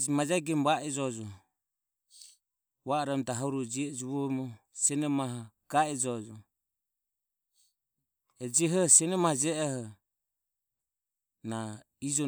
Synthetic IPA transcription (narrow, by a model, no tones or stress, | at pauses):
d͡ʒmad͡ʒaɡɛmβaʔɛd͡ʒɔd͡ʒɔ | βaːɾɛmt̪aɦɔɾud͡ʒiɛd͡ʒuβɔmɔ | sɛnɛmaɦɔɡ̥aɛd͡ʒɔd͡ʒɔ | ɛd͡ʒiɦɔsɛnɛmahɔd͡ʒɛɛhɔ | na | id͡ʒɔ